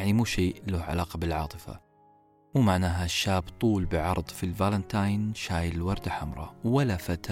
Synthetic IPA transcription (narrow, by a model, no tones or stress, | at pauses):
ʕnimuːʃiːloːhʕa̰laːqɑbɪlʕɑ̰ːt̪ˤɨfa̰ | wmaʕnaːɦaʃːaːbt̪ˤuːlbɪʕɑ̰ɾˤðˤfilvalant̪ajnʃaːjllwɑɾˤd̪aħamɾˤɑ̰wɪlːafat̪